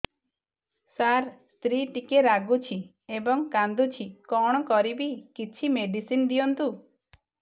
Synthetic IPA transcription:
saɾst̪ɾiʈikeɾaɡut͡ʃʰi | ebɔŋkand̪ut͡ʃʰikɔɽ̃ɔkɔɾibikit͡ʃʰimeɖisind̪ijɔnt̪u

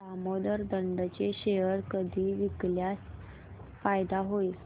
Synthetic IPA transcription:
amod̪əɾd̪əɳɖt͡ɕeɕejəɾkəd̪ʱiːʋikljas | fajd̪aɦoi

